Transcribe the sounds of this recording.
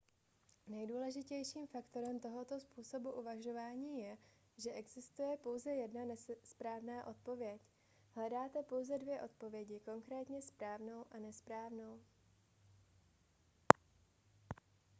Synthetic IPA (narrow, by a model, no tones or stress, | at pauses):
nɛjduːlɛʒɪcɛjʃiːmfakt̪o̞ɾɛmt̪o̞ɦo̞t̪ospuːso̞buʔuvaʒo̞vaːɲiːjɛ | ʒɛʔɛɡz̥ɪst̪ujɛpo̞wzɛjɛdnanɛspɾaːvnaːʔo̞t̪̚po̞vjɛc | ɦlɛdaːt̪ɛpo̞wzɛdvjɛʔo̞t̪̚po̞vjɛɟɪko̞ŋkɾɛːt̪ɲɛspɾaːvno̞wʔanɛspɾaːvno̞w